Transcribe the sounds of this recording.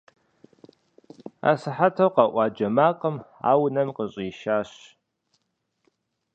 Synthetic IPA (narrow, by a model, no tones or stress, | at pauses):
a̰sɨħatʰɐwqɑʔʷɑːd͡ʒɐmaːqʼəma̰ːwnɐmqəɕʼiːʃaːɕ